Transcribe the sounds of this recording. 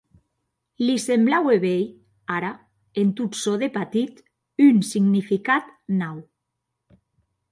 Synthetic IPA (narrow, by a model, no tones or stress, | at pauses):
lisemblaweβej | aɾa | ent̪ut̪soðepat̪it̪ | ynsiɡnifikat̪naw